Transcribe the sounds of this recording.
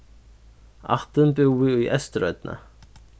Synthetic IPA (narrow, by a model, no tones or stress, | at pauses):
a̰ht̪ʏmpʏwʏyʔɛst̪ɾœɥt̪na̰